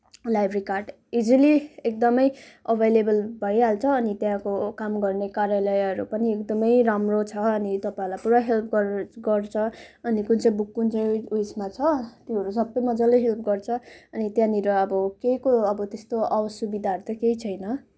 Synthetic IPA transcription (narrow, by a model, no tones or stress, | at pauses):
lajbʱrikarɖ | id͡ziliek̚d̪ʌmʌj | ʌbʱejlebʌlbʱʌɽiɦalt͡sʰʌːnit̪jãkokamɡʌrnekarjalʌjʌɾupʌniekd̪ʌmʌjramrot͡sʰʌʌnit̪ʌpaĩlajpuɾaɦelp̚ʰɡʌɡʌrt͡sʰʌʌnikunt͡sʌj̃bukːunt͡sʌjesmat͡sʰʌt̪ĩʌɾusʌbːʌjmʌd͡zʌlejɦelp̚ʰɡʌrt͡sʰʌʌnit̪jãniɾʌʌbʌkejkoʌbʌt̪est̪oawʌsjubid̪ʱaʌɾut̪ʌkeit͡sʰʌjnʌ